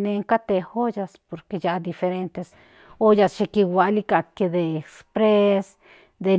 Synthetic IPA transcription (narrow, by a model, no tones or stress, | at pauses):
neŋkat̪ehojaspoɾkejad̪ifeɾent̪es | ojasʃekiwʷalikaked̪espɾes | d̪e